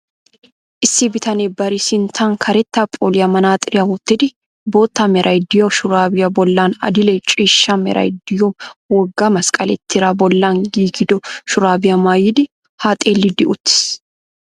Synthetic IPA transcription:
ʔɪsːɪbɪt̪ʰɐneːbɐɾɪsɪnt̪ʰaːŋkʰɐɾɛt̪ːapʼo̰ːlɪjɐmɐnaːt̪ʼɪɾɪjɐhʊt̪ːɪd̪ɪ | boːt̪ːamɛɾʔɐjd̪ɪjoːʃʊɾaːbɪjɐbɔlːaːnɐ̰d̪ɪlɛt͡ʃʼiːʃːaːmɛ̰ɾʔɐ̰jd̪ɪjoːwɔɡːaːmɐskʼɐlɛ̰t̪ʰːɪɾabɔlːaːŋɡiːɡɪd̪ɔʃʊɾaːbɪjɐmaːjɪd̪ɪ | haːt̪ʼeːlːɪd̪ɪʊt̪ːɪ̥s

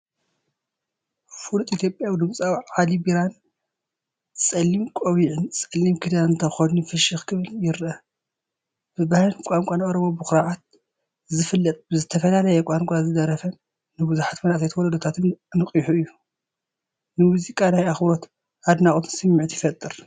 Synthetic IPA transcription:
fuɾt̪ʼit̪ʰjo̞pʼjawid̪ɨmt͡sʼawʕalibiɾan | t͡sʼɐlːimkʷʼowiʕɨnt͡sʼɐlːimkʰid̪anɨnt̪ʰɐxonifɨʃixkʰɨβɨljɪɾʔɐ | b̥ɨbahlɨnkʷʼaŋkʷʼanʔʼoɾomobɨxɾaʕat̪̚ | zɨfɨlːɐt̪ʼbɨzɨt̪ʰɐfɐlalɐjɛkʷʼaŋkʷʼazɨd̪ɐɾɐfɐnː | ɨbɨzuħat̪mɐnʔat̪ajt̪wɔlɐd̪ot̪ʰat̪ʰɨmnɨkʼijħuɨjːu | nɨmuzikʼanajaxbɾo̞t̪ | ʔad̪naχʼt̪ʰɨ̥nsɨmːiʕt̪ʰjɪfɐt̪ʼːɨɾ

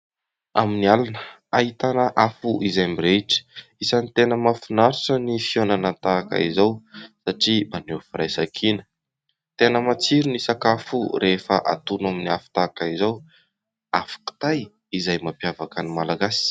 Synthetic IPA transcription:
aminialanə | ait̪anəʔafuʔizajmiɾeʈ͡ʂə̥isanit̪enəmafinaɾiʈ͡ʂənifionanant̪aka̰izawsaʈ͡ʂimanofirajsakʰinə̥ | t̪enəmat͡siɾinisakafuɾefəʔa̰t̪unaminiafu̥t̪akaizaw | afḁku̥t̪aj | izajmapjavakənimalaɡasi̥

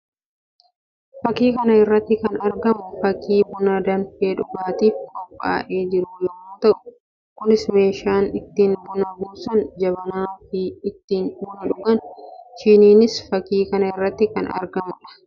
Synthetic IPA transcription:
fɐkiːkɐnɐɪrːɐt̪ːɪkɐnɐɾɡɐmʊfɐkiːbʊnɐd̪ɐnfeːᶑʊɡaːt̪iːfkɔpʼːa̰ːʔe̞ːd͡ʒɪɾʊjɔmoːt̪ɐʔʊ̥ | kʊnɪsme̞ːʃaːnɪt̪ːiːnbʊnɐbuːsɐnd͡ʒɐbɐnaːfɪːt̪ːiːnᶑʊnɐᶑʊɡɐnʃɪniːnɪsfɐkiːkɐnɐɪrːɐt̪ːɪkɐnɐ̰ɾɡɐmʊᶑɐ̥

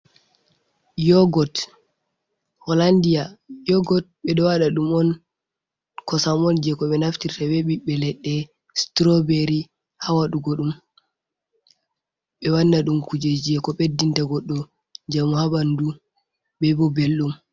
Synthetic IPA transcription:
jɔɡɔt | hɔlandijajɔɡɔt̚ɓɛɗɔwaɗaɗumɔn | kɔsamɔnd͡ʒɛkɔɓɛnaftiɾtabɛɓiɓɛlɛɗːɛ | stɾɔbeɾi | hawaɗuɡoɗum | ɓɛwanːaɗumkud͡ʒed͡ʒiɛkɔɓedːintaɡɔɗːɔ | d͡ʒamuhabandu | bɛbɔbelːum

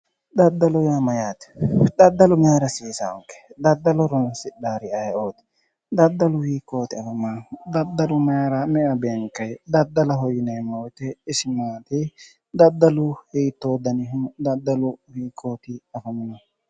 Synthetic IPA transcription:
d̪ɐd̪ːɐlɔjamɐjaːt̪d̪ɐd̪ːɐlʊmaːɾɐsiːsɐɔ̰ŋkɛ̥d̪ɐd̪ːɐlɔɾɔnɐsɪdaːɾɪɐjɛʔoːt̪ɪ̥ | d̪ɐd̪ːɐlʊhiːkːo̞ːt̪ɪɐfɐmɐnd̪ɐd̪ːɐlʊmaːɾɐmɛʔɐbeːŋkːɐjd̪ɐd̪ːɐlɐɦɔjɪnɛmːɐwt̪ɛɪsɪmaːt̪ɪ | d̪ɐd̪ːɐlʊhiːt̪ːoːd̪ɐnɪɦʊd̪ɐd̪ːɐlʊhiːkːoːt̪ɪɐfɐmɐnɐ

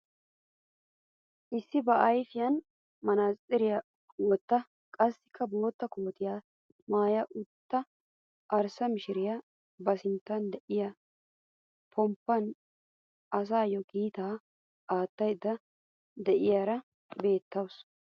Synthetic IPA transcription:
ʔɪsːɪbɐʔɐjfɪjɐn | mɐnaːɪɾɪjɐ | wɔt̪ːɐ | kʼɐsːɪ̥kʰːɐbo̞ːt̪ːɐkoːt̪ɪjaː | maːjɐʔʊt̪ːɐ | ʔɐɾsɐmɪʃɪɾɪjɐ | bɐsɪnt̪ːɐnd̪ɛʔɪjɐ | pʰɔmpːɐn | ɐs̬aːjɔɡiːt̪aː | ʔaːt̪ːɐjd̪ːɐ | d̪ɛʔɪjaɾɐ | be̞ːt̪ːɐws

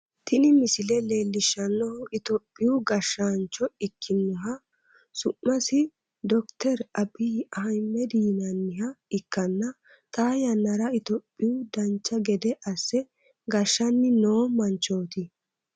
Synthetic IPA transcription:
t̪ʰɪnɪmɪsɪlɛle̞ːlːɪʃːɐnːɔhɔɪt̪ɔpʼːɪjʊɡɐʃːant͡ʃːɔɪkʰːɪnːɔɦɐ | sʊmːɐsɪ | d̪ɔkt̪ɛɾɐbiɐɦɐjmːɛd̪iːnɐnːɪhɐɪkːɐnːɐ | t̪ʼaːjɐnːɐɾɐɪt̪ɔpʼːɪjʊd̪ɐnt͡ʃːɐɡɛd̪ɛʔɐsːɛ | ɡɐʃːɐnːɪnoːmɐnt͡ʃːoːt̪ɪ

